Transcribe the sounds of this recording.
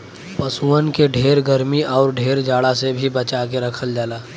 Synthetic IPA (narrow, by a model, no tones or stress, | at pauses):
pəsuːənkeɖʱeːɾɡəɾmiʔɔːɾɖʱeːɾd͡ʒaːɽasebʱibət͡ʃak̬eɾɐkʰəld͡ʒaːlaː